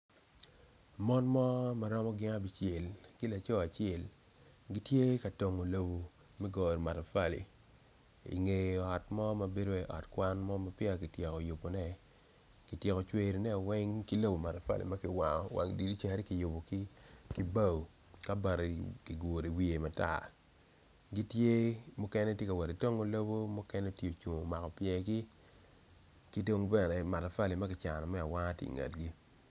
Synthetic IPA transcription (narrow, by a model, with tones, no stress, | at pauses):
mɔ˦nmɔ˦ma˨ɾɔ˦mɔ˦ɡɪ˦ŋa˦bi˦t͡ʃje˨lkɪ˦la˨t͡ʃo˦a˨t͡ʃɪ˦ɛ˦˨l | ɡi˦tje˦ka˨to˨ŋo˨lo˨bo˨ | mɛ˦ɡɔ˨ɾma˨ta˨fa˦lḭ˨ | ḭ˨ŋe˨ɔ˨tmɔ˦ma˨be˦do˦ɛ˦ʔɔ̰˨tkwa˦nmɔ˦ma˦pja˨ki˨tje˨kɔ˨ju˨pːo˨nɛ˦ | ki˨tje˨kɔ˨t͡ʃwe˦ɾi˨nɛ˦˨wɛ˦ŋki˦lo˦bo˨ma˨ta˨fa̰˦lḭ˨ma˦kɪ˨˦wa˨ŋɔ˨wʔa̰˨ŋdi˨di˦t͡ʃa˨ɾi˦ki˨jo˨po˨ki˦ki˦ba˦˨w | ka˦ba˨ɾe˨ki˨ɡo˨ɾi˨wi˦˨e˨ma˨ta̰˨ | ɡi˦tje˦mu˦kɛ˦nɛ˦tje˦ka˨wɛ˨ɾe˨to˦ŋo˦lo˦bo˦mu˦kɛ˦nɛ˦tje˦o˨t͡ʃu˨ŋo˨ma˨kɔ˨pjɛ˨ɡi˦ | ki˦to˦ŋbɛ˦˨nɛ˨ma˨ta˨fa˦li˨ma˦kɪ˨t͡ʃa˨nɔ˨mɛ˦a˨wa˦tḭ˨ŋa̰˨tɡi˦